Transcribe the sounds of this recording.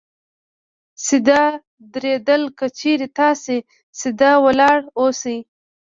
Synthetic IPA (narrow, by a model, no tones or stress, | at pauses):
sɪd̪ɑ | d̪ɾed̪əlkət͡ʃeɾet̪ɑse | sɪd̪ɑwəlɑɽosaj